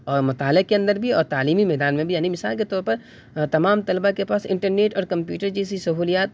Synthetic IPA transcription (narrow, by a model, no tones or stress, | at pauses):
ɔːɾmʊt̪aːlɪkeɐ̃nd̪əɾbʱiɔːɾt̪aːliːmimɛːd̪aːnmẽbʱijaːnibɪsaːlket̪ɔːɾpɐɾ | t̪ɐmaːmt̪ɐlbakepaːsɪ̰̃ɳʈəɾneːʈɔːɾkɐ̃mpjuːʈəɾd͡ʒɛːsisɐɦuːlijaːt̪̚